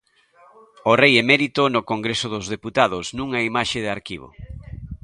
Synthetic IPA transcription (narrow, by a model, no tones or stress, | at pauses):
orejemɛɾit̪onokoŋɡɾesʊðozðeput̪aðʊsnũŋaimaʃeðɪaɾkḭβ̞o̰